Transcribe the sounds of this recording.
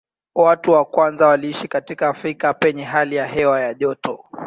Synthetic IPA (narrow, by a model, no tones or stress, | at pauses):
watuwakwanzawaliiʃikatikaːfɾikapɛɲɛɦalijaɦɛwajaʄɔtɔ